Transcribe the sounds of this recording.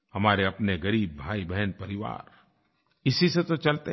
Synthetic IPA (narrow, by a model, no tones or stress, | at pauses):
hɐmaːɾeɐpneɡɐɾiːb̚ːʱaːibɛɦnpɐɾɪʋa̰ːɾ | ɪsiset̪ot͡ʃɐlt̪e